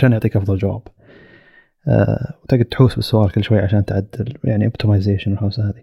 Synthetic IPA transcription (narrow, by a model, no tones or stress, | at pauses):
ʃaːnʔʊʕt̪ˤiːkʔɑfðˤɑld͡ʒawa̰ːb̥ | wt̪aɡɪd̪̚t̪ħuːsbɪsːʊʔaːlkɪlːʃwajːʕaʃaːnt̪ʕad̪ːɪljaʕniʔʊbt̪ɪmajzeːʃɪnwɪlħaːsahaːði